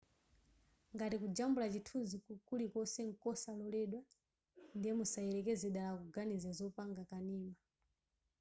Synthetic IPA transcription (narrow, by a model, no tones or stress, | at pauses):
ŋɡatikud͡ʒambulat͡ʃitʰuzikukulikɔsɛŋ̩kɔsalɔlɛɗwa | ndijɛmusaɛlɛkɛzɛɗalakuɡanizazɔpaŋɡakaniːma